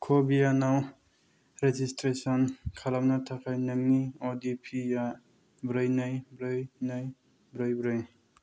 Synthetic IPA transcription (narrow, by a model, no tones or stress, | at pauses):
kʰobijanaw | ɾed͡ʒistɾesɔnkʰalamnatʰakʰajnɯŋniɔdipʰija | bɾɯjnajbɾɯjnɯj | bɾɯjbɾɯj